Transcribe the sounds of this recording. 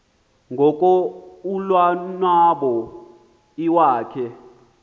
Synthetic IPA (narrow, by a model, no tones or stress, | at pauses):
ŋɡʱɔkʼɔulwanwaɓɔ | iwaːkʰɛ